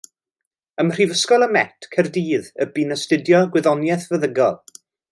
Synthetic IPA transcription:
əmr̥ivəskɔlˠəmɛtʰkʰɛrdiːðəbiːnəstɪdjɔɡwɪðɔnjɛθvəðəɡɔlˠ

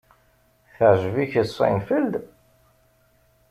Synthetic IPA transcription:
θəʕʒviçəsˤːḭnfəld̪

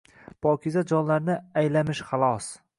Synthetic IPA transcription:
pʰɒːkʲʰɪzad͡ʒɒnlaɾnɪajlamɪʃχalˠɒs

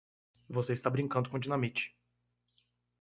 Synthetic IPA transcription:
voseɪst̪abɾĩŋkɐ̃d̪ʊkõd͡ʒinɐmit͡ʃɪ̥

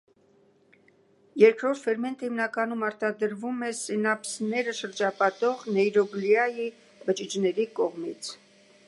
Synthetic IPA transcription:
jɛɾkɾɔɾt̪fɛɾmɛnt̪əhimnɑkɑnumɑɾt̪ɑd̪əɾvumɛsɛnɑpsnɛɾəʃəɾd͡ʒɑpɑt̪ɔʁnɛjɾɔɡliɑji | bət͡ʃit͡ʃʰnɛɾikɔʁmit͡sʰ

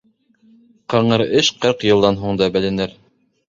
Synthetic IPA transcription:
qɤ̆ɴɤ̆ɾɘʃqɤɾqjɤ̆lˠd̪ɑnɦuɴd̪ɑbælæ̆næɾ

